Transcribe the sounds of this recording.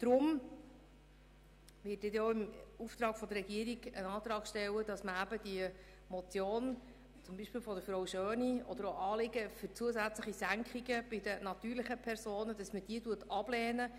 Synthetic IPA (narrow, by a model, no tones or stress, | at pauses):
d̪̥ɾʊm | ʋɪːt̚dɪt̪oɪmuft̪ɾɑːkfɔd̪ərɾɛɡiəɾiɡə̰nɑːt̪ɾɑːɡ̥ʃtɛwəd̥ɑsməæbəd̥̪iə | mɔt͡sjoːn | t͡sʊmbiːʃpɪːlfɔd̪əfɾowʃøːniɔ̰d̪əɾoʔɑːlɪɡəfʏɾt͡suəsæt͡sləχisæŋkχiɡəb̥ɪdənɑt̪yːɾlɪχəpʰɛɾsoːnəd̥ɑsməd̥iːətuətɑb̥lɛːnə